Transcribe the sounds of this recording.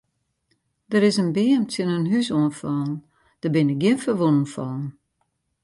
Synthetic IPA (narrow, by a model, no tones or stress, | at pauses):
d̥əɾɪsənbɪəmtʰɪnənɦysoənfɔn̩ | d̥əbɪnɪk̚ɡɪənfəʋunən̩fɔːn̩